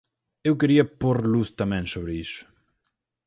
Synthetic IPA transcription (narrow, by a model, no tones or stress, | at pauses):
ewkeɾiɐpoɾluθt̪amɛ̃ŋsoβɾeisʊ̥